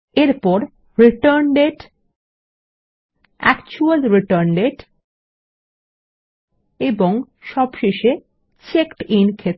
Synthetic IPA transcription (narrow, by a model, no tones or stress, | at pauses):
eɾpɔɾ | ɾiʈaɾnɖeʈ | ɛ̰kt͡ɕualɾiʈəɾnɖeʈ | eboŋ | ʃɔbʃeʃe | t͡ɕekʈinkʰet̪